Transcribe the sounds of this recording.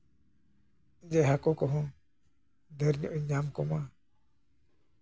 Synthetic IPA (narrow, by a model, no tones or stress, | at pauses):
d͡ʒɛɦakɔkɔɦɔ̃ | d̪ɛɾɲɔʔjɲamkɔma